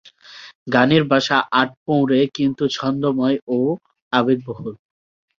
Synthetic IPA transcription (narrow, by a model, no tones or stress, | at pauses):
ɡaniɾbʱaʃaʔaʈ̚põw̃ɾekint̪ut͡ɕʰɔnd̪omɔjo | abeɡ̚boɦol